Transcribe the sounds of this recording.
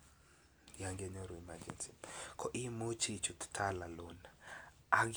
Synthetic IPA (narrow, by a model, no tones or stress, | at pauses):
jaŋɡeɲɔɾɔimad͡ʒɛnsikʰɔʔimot͡ʃit͡ʃuttʰalalon | aɡ